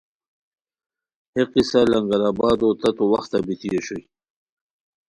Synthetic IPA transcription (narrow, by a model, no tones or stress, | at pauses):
heqisalaŋɡaɾaːbɑːd̪ot̪at̪owaxt̪abit̪ijeɕoj